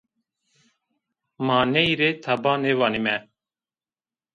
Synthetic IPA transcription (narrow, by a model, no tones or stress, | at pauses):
maːneiɾeːt̪ʰabaːneːʋaːnimɛː